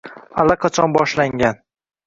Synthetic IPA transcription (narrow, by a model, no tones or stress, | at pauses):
alːaqʰat͡ʃʰɒnbɒʃlaŋɡʲan